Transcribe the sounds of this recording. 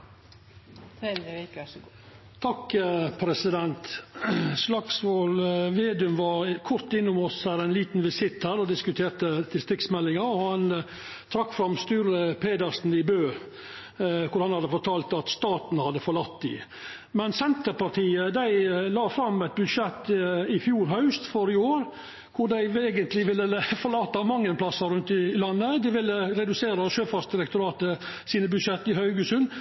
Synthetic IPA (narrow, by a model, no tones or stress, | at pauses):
t̪ʰɑkpʰɾɛsɪd̪ɛnt̪ | slɑksʋoːlʋeːd̪ʉmʋɑɾkʰʊɾt̪ɪnːʊmɔshæːɾæɪnliːt̪n̩ʋɪsɪt̪hæːɾɔd̪ɪskʉt̪ʰeːɾt̪ət̪ɪst̪ɾɪkt̪smɛlːɪŋɑɾɔhɑn | t̪ʰɾɑkːfɾɑmst̪ʉːɾəpʰeːd̪əɾsn̩ɪbøː | kʰʊɾɑnhɑd̪əfɔɾt̪ʰɑːlt̪ɑt̪st̪ɑːt̪nhɑd̪əfɔɭɑt̪ːd̪ɪ̰ | mɛnsɛnt̪əɾpɑɾt̪ʰiːəd̪æɪlɑːfɾɑmːɛt̪̚bʉd̪ʂɛt̪ːɪfjuːɾɦɑʉst̪fɔɾɪoːɾ | kʰʊɖ̪æɪeːɡənt̪lɪʋɪlːəəfɔɭɑːt̪ːɑmɑŋːənpʰlɑsɑɾʉnt̪ɪlɑnːəd̪ɪʋɪlːəɾɛd̪ʉseːɾɑʃøːfɑɾsd̪ɪɾɛkt̪ʊɾɑːt̪ə | siːnəbʉd̪ʂɛt̪ːɪhɑʏɡəsʉn